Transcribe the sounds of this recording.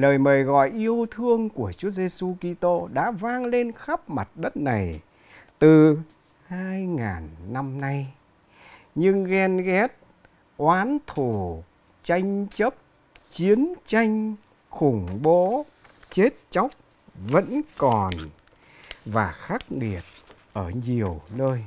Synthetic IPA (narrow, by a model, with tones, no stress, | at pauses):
ləː˨˩jməː˨˩jɣɔ̰˧˨jʔi˧əwt̪ʰɨ˧əŋku˧˩ət͡ɕu˨˦əze˧su˧ki˧t̪o˧ɗa̰ː˧˥vaː˧ŋle˧nxa˦˥p̚ma˨˩t̚ɗə˦˥t̚na˨˩j | t̪ɨ˨˩ | haː˧jŋa̰ː˨˩nːa˧mna˧j | ɲɨ˧ŋɣɛ˧nɣɛ˦˥t̚ | ʔwaː˨˦nt̪ʰu˧˩ | t͡ɕa˧jŋ̟t͡ɕə˦˥p̚ | t͡ɕi˨˦ənt͡ɕa˧jŋ̟ | xʊ˨˧˩ŋ͡mɓo˨˦ | t͡ɕe˦˥t̚t͡ɕa˦˥wk͡p̚ | və̰˧˥nkɔ˨˩n | vaː˨˩xa˦˥k̚ŋi˨˩ət̚ | ʔəː˧˩ɲi˨˩əwnəː˧j